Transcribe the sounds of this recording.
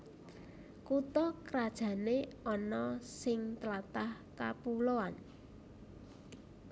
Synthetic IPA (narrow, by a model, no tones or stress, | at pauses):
kut̪ɔkəɾad̥ʒ̥ä̤neɔnɔsɪŋt̪əlat̪ahkapuloan